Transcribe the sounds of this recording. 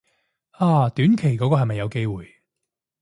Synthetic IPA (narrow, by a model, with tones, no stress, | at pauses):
aː˧˩t̪yː˨˥nkʰe˨˩jkɔː˨˥kɔː˧hɐ˨jmɐ˨jːɐ˨˧wke˥jwuː˨˩j